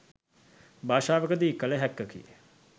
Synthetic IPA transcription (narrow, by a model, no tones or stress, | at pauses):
bʱaːʃaːʋəkəd̪iːkːələɦɛkːəkḭə